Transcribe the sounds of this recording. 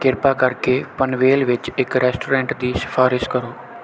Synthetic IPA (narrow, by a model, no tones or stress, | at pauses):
kɪɾpaːkəɾkeːpənʋeːlʋɪt͡ʃɪkɾɛːsʈoːɾɛ̃ːɳʈd̪iːsə̥fʰaːɾɪskəɾoː